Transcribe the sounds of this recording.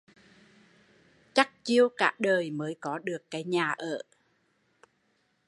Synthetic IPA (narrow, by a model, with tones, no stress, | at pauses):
t͡ɕa˦˥k̚t͡ɕi˧əwka̰ː˧˥ɗəː˨˩jməː˨˦jkɔ˨˦ɗɨ˨˩əkːaː˨˦jɲaː˨˩ʔə̰ː˧˩˨